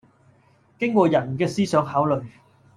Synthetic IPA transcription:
kɪ˥ŋkʷɔː˧jɐ˨˩nkɛː˧siː˥sœː˨˥ŋɦaː˨˥wlɵ˨˩ɥ

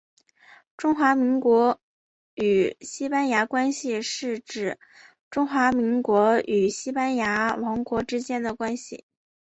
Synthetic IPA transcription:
ʈ͡ʂʊ˥ŋxwa˧˥mi˧˥ŋkwɔ˧˥ | y˨˩ɕi˥pa˥nja˧˥kwa˥nɕi˨ʂɻ̩˥˩˧ʈ͡ʂɻ̩˨˩ | ʈ͡ʂʊ˥ŋxwa˧˥mi˧˥ŋkwɔ˧˥y˨˩ɕi˥pa˥nja˧˥wɑ˧˥ŋkwɔ˧˥ʈ͡ʂɻ̩˥t͡ɕjɛ˥nd̪ə˨kwa˥nɕḭ˨˩

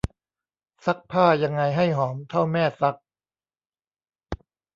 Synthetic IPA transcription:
sa˦˥k̚pʰaː˥˩ja˧ŋːa˧jɦa˥˩jɦɔː˩˦mt̪ʰa˥˩wmɛː˥˩sa˦˥k̚

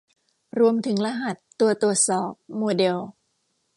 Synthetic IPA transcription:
ɾu˧əmt̪ʰɯ˩˦ŋla˧ɦa˨˩t̪ːu˧ət̪u˨˩ət̪̚sɔː˨˩p̚moː˧de˧w

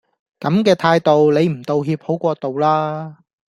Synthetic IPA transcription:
kɐ˨˥mkɛː˧t̪ʰaː˧jt̪o˨wle˨˧jm̩˨˩t̪o˨˧wɦiː˧p̚ho˨˥wkʷɔː˧t̪o˨wlaː˥

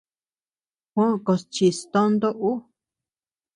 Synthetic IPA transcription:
hʷõ˦˧ko˧st͡ʃi˧st̪õ˦nd̪o˦ʔu˦

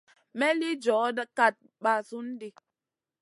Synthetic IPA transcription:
mɛ˦li˦d͡ʒɔ˨˦dka˦˨t̚ | ɓa˨su˦n̩˦di˦

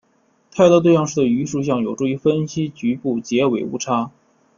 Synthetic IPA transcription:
t̪ʰa˥˧ɪt̪ɔ˥t̪we˥˧ɪjɑ˥˧ŋʂɻ̩˥˩d̪ə˩y˧˥ʂu˥˩ɕjɑ˥˩ŋjo˨˩ʊʈ͡ʂu˥˩i˧˥fə˥nɕi˥t͡ɕy˧˥pu˥˩t͡ɕjɛ˧˥we˨˩ɪṵ˥˩ʈ͡ʂʰa˥

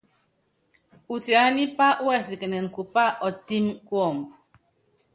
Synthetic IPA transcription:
u˨ti˨a˨˦ni˦pa˦u˦ɛ˦˨si˨ke˨nɛ˨ŋ̩˨ku˨pa˦ʔɔ˨ti˦mkwɔ˦˨m˨bu˨

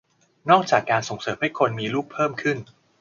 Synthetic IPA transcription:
nɔː˥˩k̚t͡ɕaː˨˩kːaː˧nso˩˦ŋsɤː˨˩˦mha˥˩jkʰo˧nmiː˧luː˥˩pʰːɤː˥˩mkʰɯ˥˩n

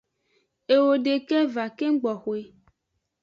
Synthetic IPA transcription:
e˨wo˨ɖe˨kɛ˦va˨ke˦ɡ͡bɔ˨xo˨e˨

